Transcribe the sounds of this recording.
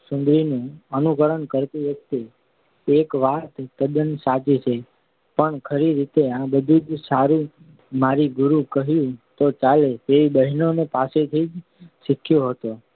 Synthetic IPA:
sʊ̃nd̪ɾinũənukəɾəɳkəɾt̪ĩʋjək̚t̪e | ekʋat̪ːəd̪ənsat͡ʃit͡ʃʰe | pəɳkʰəɾiɾit̪eãbəd̪ʱud͡ʒsaɾũ | maɾiɡʊɾukəɦjũt̪ot͡ʃalet̪eɾibəɦinonepaset̪ʰid͡ʒ | ʃikʰjoɦət̪o

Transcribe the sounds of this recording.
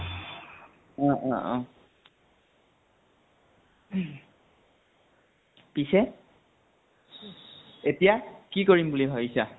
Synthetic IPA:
ɔ̃ʔɔ̃ɔ̃ | pisɛ | etijakikoɹimbuliɦoisa

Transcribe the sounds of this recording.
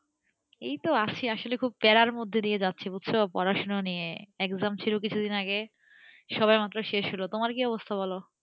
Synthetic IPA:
ejt̪oat͡ɕʰiaʃolekʰub̚pɛɾaɾmod̪ʱːed̪ijed͡ʑatːɕʰibut̪ːɕʰopɔɾaʃononijeɛkzamt͡ɕʰilukit͡ɕʰud̪inaɡe | ʃɔbajmat̪ːɾoʃeʃɦolot̪omaɾkiɔbost̪ʰabʱolo

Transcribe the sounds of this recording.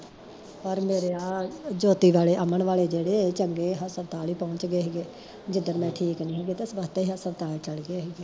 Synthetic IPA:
pəɾmeːɾeːaːd͡ʒoːt̪iːʋaːleːʔəməɳʋaːleːd͡ʒeːɽeːt͡ʃəŋɡeːɦəsəbt̪aːliːpɔ̃ːɲt͡ʃɡeːɦɛːɡeː | d͡ʒɪd̪əɾmɛ̃ːʈʰiːknĩːɦeːɡeːt̪esəbəst̪eiɦəsəbt̪aːliːt͡ʃəlɡeːɦeːɡeː

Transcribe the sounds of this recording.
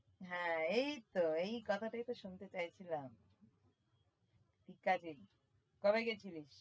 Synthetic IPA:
ɦɛ̃ejt̪oejkɔt̪ʰaʈajt̪oʃunt̪et͡ɕajt͡ɕʰilam | t̪ikːad͡ʑi | kɔbeket͡ɕʰiliʃ

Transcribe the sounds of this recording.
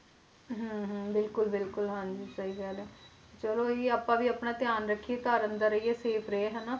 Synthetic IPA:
ɦə̃ɦə̃bɪlkʊlbɪlkʊlɦənd͡ʒiːsəiːɡɛːleː | t͡ʃəloːiaːpːãːʋiːaːpnaːt̪ɪjaːnɾəkʰːieːt̪aːɾənd̪aːɾəiːeːseːpʰɾəeːɦɛnaː

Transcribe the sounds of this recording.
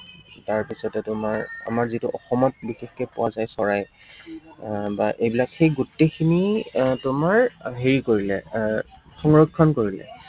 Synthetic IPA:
taɹpisɔtɛtʊmaɹa̰maɹzituʔɔxɔmɔt̚bixexːɛpʊwazajsɔɹaj | baʔejbilakxejɡutːekʰinitʊmaɹɦeɹikoɹilɛ | xɔŋɹɔkʰːɔnkoɹilɛ̰

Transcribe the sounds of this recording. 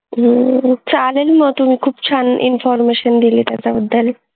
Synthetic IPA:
t͡salelmɔt̪umikʰuːbt͡ʃʰanʔḭnfʰɔɾmeʃənd̪ilit̪at͡saud̪ːal

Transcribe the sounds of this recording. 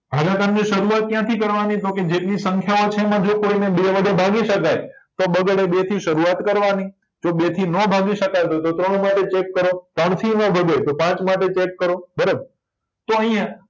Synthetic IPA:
bʱaɡak̪anniʃəɾuat̪̚kjãt̪ʰikəɾʋanit̪oked͡ʒeʈlisəŋkʰjaot͡ʃʰemãd͡ʒokoinebeʋəɡ̪ebʱaɡiʃəkajt̪obəɡɽebet̪ʰiʃəɾuat̪kəɾʋani | d͡ʒobet̪ʰinəbʱaɡiʃəkajt̪ot̪ot̪ɾəɳ̃maʈet͡ʃekːəɾot̪ɾəɳ̃t̪ʰinə̃bʱəd̪et̪opãt͡ʃmaʈet͡ʃekːəɾobəɾəb̚ | t̪oəɦĩjã

